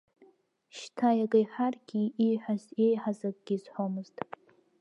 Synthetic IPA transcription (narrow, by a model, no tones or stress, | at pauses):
ʃtʰajaɡajħarɡʲiːħʷazejħazakʼɡ̥ʲizħʷomɨztʼ